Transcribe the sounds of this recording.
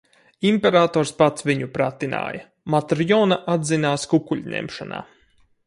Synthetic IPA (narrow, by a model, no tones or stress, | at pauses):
impɛɾaːt̪ɔːɾspat̪sviɲupɾat̪ina̰ːjɐ | mat̪ɾjɔːnaʔad̪zinaːskukuʎʲnʲɛ̰mʃana̰ː